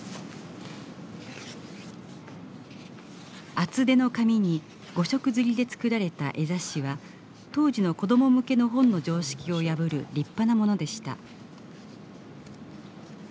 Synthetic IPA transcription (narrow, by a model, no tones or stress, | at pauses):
at͡sɨd̪e̞no̞kamʲiɲ̟i | ɡ̥o̞ɕo̞kɯ̟zɨɾʲid̪e̞t͡sɨ̥kɯ̟ɾaɾe̞t̪a̰ʔe̞zaɕiβa | t̪o̞ːʑino̞ko̞d̪o̞mo̞mɯ̟ke̞no̞ɦõ̞nːo̞d͡ʑo̞ːɕi̥kʲio̞jabɯ̟ɾɯ̟ɾʲipːanamo̞no̞d̪e̞ɕi̥t̪a̰